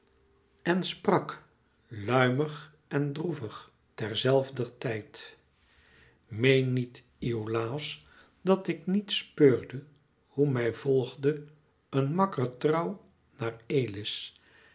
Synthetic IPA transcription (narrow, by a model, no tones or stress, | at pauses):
ʔɛnsprɑk | lœɥməχ | ɛndruvəχ | tɛɹzɛlˠvdərtɛjt | mejnːit | iolaːs | dɑtɪknitspøːɹdə | humɛjv̥ɔlˠχdə | ənmɑkərtrɑw | naːreːjlɪs